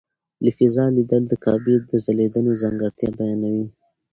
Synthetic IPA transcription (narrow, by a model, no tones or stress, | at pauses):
lifizɑlid̪əld̪əkʰɑbid̪əzaled̪ənezaŋɡaɾt̪jɑbajɑnawi